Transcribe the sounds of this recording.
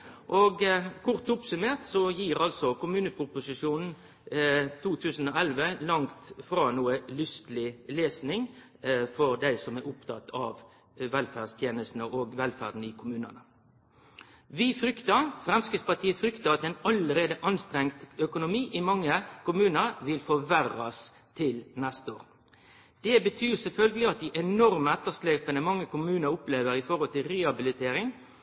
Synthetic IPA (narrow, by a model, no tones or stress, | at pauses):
ʔoːɡkʰʊʁt̪ʊpsʉmeːʁt̪sɔjiːɾɑlsɔkʊmʉːnəpʰʊpʊsɪʃjuːnn̩ | t̪ʰuːt̪ʰʉːsn̩ɔːɛlʋəlɑŋt̪fɾɑːnuːəlʏst̪lɪleːsnɪŋ | fɔʁd̪æɪsɔmæɾʊpt̪ʰɑt̪ʰːɑʋ | ʋɛlfæːʁst̪ʰjeːnəst̪n̩əʔoːɡʋɛlfæ̰ːʁd̪n̩ɪkʰʊmʉːnənə | ʋɪfɾʏkt̪əɾfʁɛmskɪt̪spɑʈ̪ʰiːəfɾʏkt̪əɾɑt̪ɛɪnɑləɾeːd̪əʔɑnst̪ɾɛŋt̪œkʊnʊmiːʔɪmɑŋːəkʊmʉːnəɾʋɪlfɔʋæɾɑs | t̪ʰɪlnɛst̪oːɾ | d̪̥ɛbət̪ʰyːsɛlfœlɡəlɪɑt̪̚d̪ɪʔɛnɔɾmɛt̪ːəsleːpənəmɑŋːəkʊmʉːnəɾʊpleːʋəɾɪfɔɾhɔlt̪ɪlɾeːɑbɪlɪt̪ʰeːɾɪŋ